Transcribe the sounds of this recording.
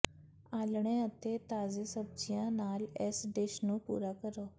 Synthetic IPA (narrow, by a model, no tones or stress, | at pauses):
aːlɽ̃eːət̪eːt̪aːzeːsəb̚d͡ʒɪjãːnaːlɛsɖɪʃnũːpṵːɾaːkəɾoː